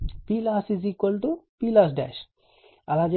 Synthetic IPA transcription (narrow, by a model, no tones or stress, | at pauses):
pilasizikolt̪upilas̬ɖɛ̰ʃ | ɐlad͡ʒe